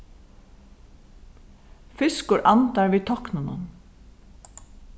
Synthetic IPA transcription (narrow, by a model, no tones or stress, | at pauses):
fʏskʊɹʔɑnt̪aɹʋiːt̪ʰɔknʊnʊ̰n